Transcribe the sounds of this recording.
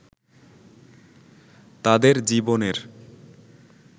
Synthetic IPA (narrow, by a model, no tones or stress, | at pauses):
t̪ad̪eɾd͡ʑiboneɾ